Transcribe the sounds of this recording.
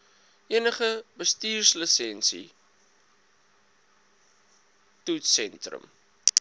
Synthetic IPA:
ʔiənəχəbəstiːrsləsɛnsḭ | tutsɛntrə̰m

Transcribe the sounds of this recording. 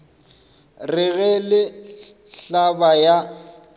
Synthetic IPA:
rɪɣɛlɪɬabaja

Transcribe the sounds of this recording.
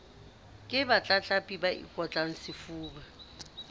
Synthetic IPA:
kʼɪbat͡ɬʼat͡ɬʼapʼibaḭkʼɔt͡ɬʼaŋ̩sɪfuːba

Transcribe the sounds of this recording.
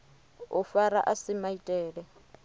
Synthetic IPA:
ʊfaɾa̰ʔasɪmaitʼɛːɺɛ

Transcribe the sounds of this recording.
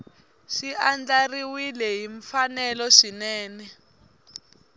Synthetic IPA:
ʂiʔand͡ɮariwilɛɦiɱfanɛlɔʂinɛːnɛ

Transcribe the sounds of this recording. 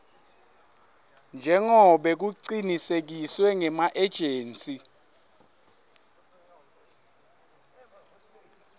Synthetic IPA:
nd͡ʒʱɛŋɔɓɛk̬uǀinisek̬iswɛŋɛmaʔɛd̥ʒ̥ʱeːnt͡sʼi

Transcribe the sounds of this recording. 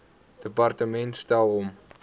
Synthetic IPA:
d̥əpɑrtəmɛntstælˠɔm

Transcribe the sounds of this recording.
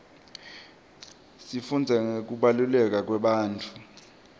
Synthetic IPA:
sifund͡zʱɛŋek̬uɓalulɛk̬ak̬wɛɓaːntʰʼu̥

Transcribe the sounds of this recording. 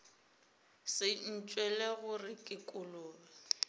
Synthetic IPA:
sɪn̩t͡ʃʼwɛleɣʊrɪkʼɪkʼʊlʊːla

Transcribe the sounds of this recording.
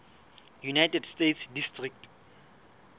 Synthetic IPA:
junajtɛdstetsdistrik̚t

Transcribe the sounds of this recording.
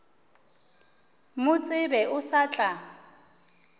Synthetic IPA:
mʊt͡sʼɪbɛʔʊsat͡ɬʼa

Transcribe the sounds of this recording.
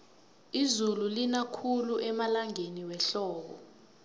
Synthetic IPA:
izululinakʰuluʔɛmalaŋeniwɛɬɔːk̬ɔ̰

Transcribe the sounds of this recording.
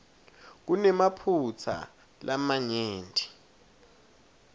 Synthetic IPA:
k̬unɛmapʰut͡sʰa̰ | lʔamaɲeːntʼi̥

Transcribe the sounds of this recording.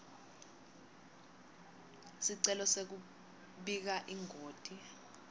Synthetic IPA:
siǀɛlɔsek̬u | ɓik̬aʔiŋoːd̥ʱi

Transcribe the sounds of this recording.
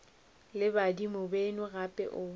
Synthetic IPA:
lɪbadimʊbenʊɣapʼɛ̰ʔʊ

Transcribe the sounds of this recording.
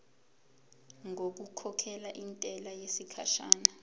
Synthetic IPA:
ŋok̬ukʰɔkʰɛlaʔintʼɛlajesikʰaʃaːna

